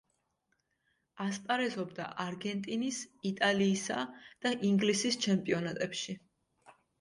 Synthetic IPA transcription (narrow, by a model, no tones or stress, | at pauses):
aspʼaɾɛzɔbd̪a̰ʔaɾɡɛnt̪ʼinisit̪ʼaliːsad̪̥aʔiŋɡlisist͡ʃʰɛmpʼiɔnat̪ʼɛpʃi